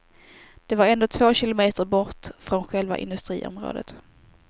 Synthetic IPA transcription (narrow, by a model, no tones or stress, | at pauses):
d̪̥ɛvaɾɛnd̪oːt̪ʰvoːɕɪlʊmeːt̪əɾbɔʈfɾɔnɧɛlva̰ʔɪ̰nd̪ɵst̪ɾḭːʔɔ̰mɾo̰ːd̪ə̰t̪